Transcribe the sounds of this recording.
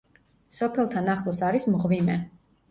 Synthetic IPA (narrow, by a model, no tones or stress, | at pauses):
sɔpʰɛlˠt̪ʰanaχlˠɔsaɾismʁvimɛ